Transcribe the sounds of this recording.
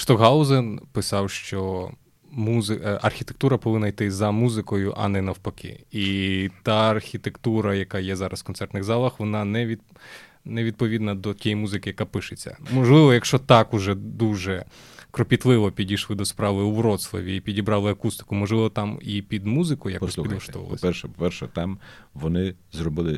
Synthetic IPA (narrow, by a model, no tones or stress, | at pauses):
ʃt̪ɔɦɑlˠzɛnpɪsɑwʃt͡ʃɔ | muzɪɐrxʲit̪ek̚t̪uɾɐpɔʋɪnnɐjt̪ɪzɐmuzɪkɔjʊʔɐ̰nɛnɐwpɐkʰɪ̰it̪ɑɐrxʲit̪ekt̪uɾɐjɐkɑjɛzɑɾʔɐsfkɔntsɛrt̪nɪɣzɑlˠɐxʋɔnɑnɛʋʲi | nɛʋʲid̪̚pɔʋʲid̪nɐd̪ɔtʲɛjmuzɪkɪjɐkapɪʃɪt͡sʲːɐ̰mɔʒlˠɪʋɔjɐkʃt͡ʃɔt̪ɑkʊʒɛd̪uʒɛkɾɔpʲit̪lˠɪʋɔpʲidʲijʃlˠɪd̪ɔspɾɑʋɪuʋɾɔt̪slˠɔ̰ʋʲiːpʲidʲibɾɑlˠɪɐkust̪ɪ̥kʊmɔʒlˠɪʋɔt̪ɑmipʲid̪muzɪkɔjjɐkpsˠupid̪ˠɔʃt̪ɔ̰ʋɐ̰l̰ˠsʲpɛrʃɛpɔpɛrʃɛ̰t̪ɑmʋɔnɪzrɔbɪlˠɪ